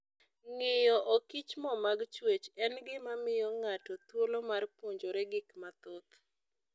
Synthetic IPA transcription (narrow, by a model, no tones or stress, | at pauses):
ŋɪjɔʔokit͡ʃmɔmaɡt͡ʃwet͡ʃɛnɡɪmamɪjɔŋatɔt̪wolomarpoɲd͡ʒoɾɛɡɪkmat̪ot̪